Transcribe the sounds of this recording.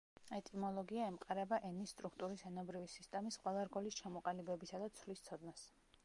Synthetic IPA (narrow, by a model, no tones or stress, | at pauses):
ɛt̪ʼimɔlˠɔɡiaɛmqʼaɾɛbaʔɛnisːt̪ʼɾukʰt̪ʼuɾisɛnɔbɾivisist̪ʼɛmisqʼwɛlˠaɾɡɔlist͡ʃʰamɔqʼalibɛbisad̪at̪sʰvlist̪sʰɔd̪nas